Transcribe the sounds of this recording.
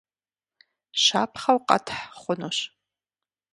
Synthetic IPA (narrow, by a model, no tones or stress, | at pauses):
ɕaːpʰχɐwqɐ̰tʰħχʷʊnoɕ